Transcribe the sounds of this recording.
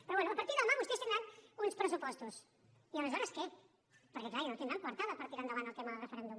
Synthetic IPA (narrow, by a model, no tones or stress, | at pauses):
pɾɔβwɛnuəpəɾt̪iɾðəmaβust̪est̪ind̪ɾanunspɾəs̬upɔst̪us | iəməzɔɾəskɛ | pəɾkɛklajinõt̪end̪ɾaŋkwɐɾt̪aðəpəɾt̪iɾand̪əβanəlˠt̪ɛməðərəfəɾɛnd̪um